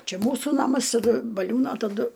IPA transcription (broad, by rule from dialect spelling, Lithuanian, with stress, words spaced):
ˈt͡ʃʲɛ ˈmuːsuː ˈnɑːmɐs tɐˈdʊ bɐˈlʲuːnoː tɐˈdʊ